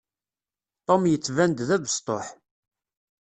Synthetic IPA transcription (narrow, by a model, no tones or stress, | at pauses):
t̪ˤomjət͡sːvænd̪ðæðəst̪ˤo̰ħ